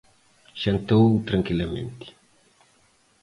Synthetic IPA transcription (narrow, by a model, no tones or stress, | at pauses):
ʃɐnt̪owt̪ɾɐŋkilamḛnt̪i̥